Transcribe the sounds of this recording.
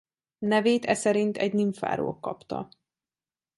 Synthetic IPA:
nɛveːt̪ɛsɛɾint̪ʰɛɟniɱfa̰ːɾo̰ːkːɒpt̪ɒ

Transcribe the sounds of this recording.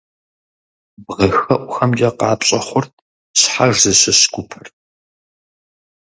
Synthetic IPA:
bʁɐxɐʔʷxɐmd͡ʒɐqɑːpɕʼɐχʷʊrtʰ | ɕħaʒzɐsɨsɡ̥ʷʊpʰɨr

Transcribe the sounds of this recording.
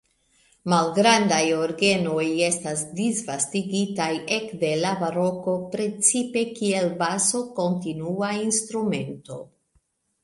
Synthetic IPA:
malɡɾandajoɾɡe̞no̞je̞stasdisvastiɡitaje̞kde̞lavaɾo̞ko̞pɾe̞t͡sipe̞kie̞lbaso̞ko̞ntinuainstɾume̞nto̞̰

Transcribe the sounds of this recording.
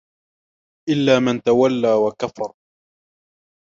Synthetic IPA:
ʔɪlːaːmant̪awalːaːwakafɑɾˤ

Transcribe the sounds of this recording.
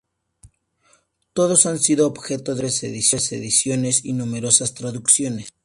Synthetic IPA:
t̪o̞ðo̞sansiðoːbxe̞t̪o̞ðesḛðisjesḛðisjo̞ne̞sinume̞ɾo̞sast̪ɾaðuksjo̞nes

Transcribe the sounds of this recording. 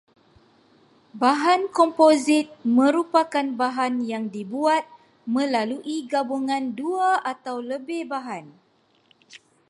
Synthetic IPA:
baɦankɔmpozit̪̚mə̃ɾupakanbaɦanjaŋdibuat̪̚ | mə̃laluʔiɡabuŋãnduaʔat̪awləbɪhbaɦan

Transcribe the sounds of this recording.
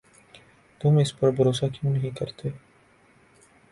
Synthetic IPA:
t̪ʊmɪspɐɾbʱɐɾoːsakjũnɐɦĩkɐɾt̪eː

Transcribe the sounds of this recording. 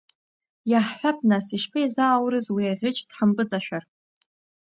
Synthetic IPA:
jaħħʷᶣap̚ʰnasiʃpʰɨizaːwɾɨzwiaʁʲɪt͡ʃʼdħəmpʼɨt͡sʼaʃᶣar

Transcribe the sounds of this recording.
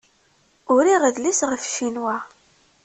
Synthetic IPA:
ʊɾiʁəðlisʁəfʃinwæ

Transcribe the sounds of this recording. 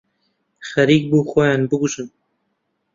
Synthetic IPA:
xæɾiːk̚buːxojɑːnbɨɡuʒɨn

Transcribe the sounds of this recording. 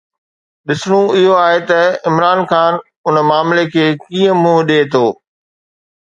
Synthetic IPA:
ɗɪsɽ̃ũɪɦoaːɦet̪ɐɪmɾaːnxaːn | ʊnəmaːmlekʰeːkĩːə̃mũːɦɗeːt̪ʰoː

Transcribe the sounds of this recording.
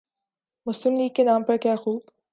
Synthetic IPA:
mʊslɪmliːkːenaːmpɐɾkjaːxuːb

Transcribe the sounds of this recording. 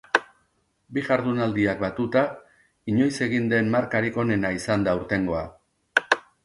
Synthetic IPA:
biɣaɾðunald̪iak̚bat̪ut̪a | iɲo̞jse̞ɣ̞ind̪e̞mmaɾkaɾiko̞ne̞naisand̪auɾt̪e̞ŋɡo̞a

